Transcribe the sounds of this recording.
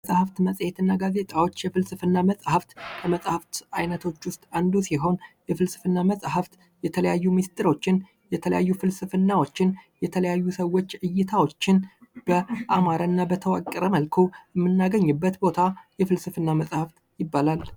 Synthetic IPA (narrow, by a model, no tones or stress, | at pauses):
sʼhaft̪məsʼhet̪ɨnːaɡaze̞t̪ʼawo̞t͡ʃːjɛfɨlsɨfɨnːaməsʼhaft̪kʰəməsʼhaft̪ajnət̪ʰo̞t͡ʃːwʊst̪ʼand̪usiɦo̞njɛfɨlsɨ̥fɨnːaməsʼɦaft̪ | jɛt̪ʰələjajːumist̪ʼɨɾo̞t͡ʃːɪn | jɛt̪ʰələjajːufɨlsɨfɨnːawo̞t͡ʃːɪnjɛt̪ʰələjajːusəwːo̞t͡ʃːʕɨjːɪt̪ʰawo̞t͡ʃːɪnb̥əʔamaɾanːabət̪ʰəwakʼəɾəməlkʰuɛmːɨnːaɡəɲːɨbːət̪bo̞t̪ʰajɛfɨlsɨfɨnːaməsʼhaft̪ | jɪbːalal